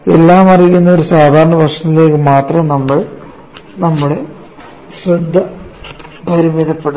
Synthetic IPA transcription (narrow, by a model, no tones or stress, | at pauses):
ḛlːaːmɐrijːunːɐo̞ɾusaːd̪ʱaːɾɐɳɐʋɐrʂɐt̪ːile̞ːkːɨmaːt̪rɐmnɐmːɐɭ | nɐmːuɽe̞ | ɕred̪ʱːɐ | bʱɐɾumiðɐpːe̞ɽu